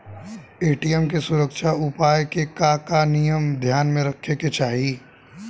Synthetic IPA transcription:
eːʈijɛmk̬esʊɾəkʃaʊpaːjkekaːkanijəmd̪ʱjaːnmẽɾɐkʰːeket͡ʃaːɦi

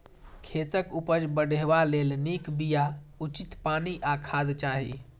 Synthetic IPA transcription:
kʰet̪əkupəd͡ʒbəɖeʋalelnikbijaut͡ʃit̪paːniʔakʰaːd̪t͡ʃaɦḭ

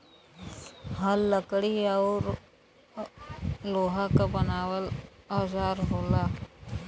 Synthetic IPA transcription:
ɦəlːəkɽiaʊɾ | loːɦakabənaːwəlaːzaːɾɦoːlaː

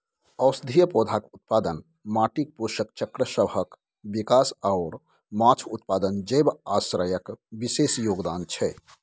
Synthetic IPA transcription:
əʊsd̪ʱijəpod̪ʱakut̪̚pad̪ən | maʈik̚puʃəkt͡ʃəkɾəsəbʱək | bikasaʊɾ | mat͡ʃʰut̪̚pad̪ənd͡ʒebasɾəjəkbisesjoːɡd̪ant͡ʃʰɛ

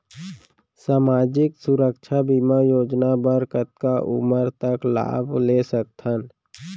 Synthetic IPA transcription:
saːmaːd͡ʒɪksʊɾəkʃʰabimajoːd͡ʒnabəɾkət̪̚kaʔʊ̰məɾt̪əkla̰ːbʱleːsək̚t̪ʰən

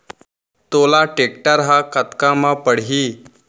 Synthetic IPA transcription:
t̪olaʈekʈəɾɦakət̪kamapəɽɦi

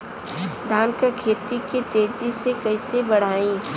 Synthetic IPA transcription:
d̪ʱaːnkəkʰeːt̪ikit̪eːd͡ʒisekɐisebɐɽ̤aːĩː

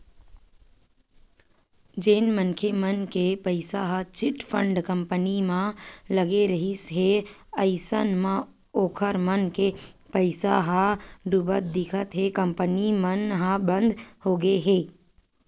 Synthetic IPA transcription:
d͡ʒeːnmənkʰemənkepəɪsaɦat͡ʃɪʈpʰəɳɖkə̃mpənimãləɡeɾəɦisɦeəɪsənmã | oːkʰəɾmənkepəɪsa̰ɦãɖʊbət̪̚d̪ɪkʰət̪ɦekəmpənimənɦãbə̃nd̪hoːɡeɦeː

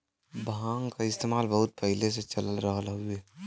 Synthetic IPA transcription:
bʱãːŋkaɪst̪eːmaːlbəɦʊt̪̚pəɦiles̬et͡ʃɐləlɾəɦəlɦueː

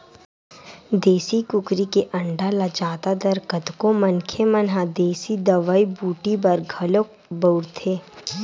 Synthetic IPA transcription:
d̪eːsikʊkɾikeʔɐ̃ɳɖalad͡ʒaːt̪ad̪ɐɾkət̪komənkʰemənɦad̪eːsid̪ɐʋaibuːʈibɐɾɡʱɐlok | bəʊɾt̪ʰeː

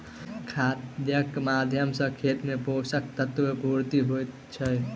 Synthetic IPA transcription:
kʰad̪jəkmad̪ʱjəmsə̃kʰet̪meposək̚t̪ət̪ʋepuɾt̪iɦojt̪ | t͡ʃʰəj

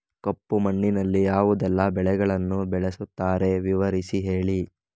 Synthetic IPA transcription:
kɐpːumɐɳːinɐlːijaːʋud̪ɛlːɐbɛɭɛɡɐɭɐnːubɛɭesut̪ːaːɾe̞ʋiʋɐɾisiɦe̞ːɭi

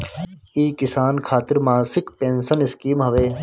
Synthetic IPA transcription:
iːkɪsaːnkʰaːt̪ɪɾmaːsɪkpẽːnsənɪskiːmɦɐʋeː

